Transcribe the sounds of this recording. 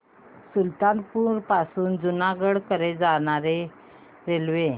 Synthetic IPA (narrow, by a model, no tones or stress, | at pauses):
sult̪anpuɾpasuːnd͡zunaɡəɽkəɾed͡zaɽ̃aɾe | ɾelʋe